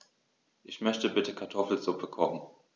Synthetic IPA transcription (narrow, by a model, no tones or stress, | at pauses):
ʔɪçmœçtəbɪtəkʰaɐtʰɔfl̩zʊpʰəkʰɔχn̩